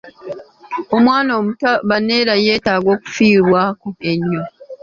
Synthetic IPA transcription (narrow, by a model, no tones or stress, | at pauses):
o̞mwaːnoːmutaβane̞ːɾaje̞ːtaːɡo̞ːku̥fiːɾwaːkoeɲːo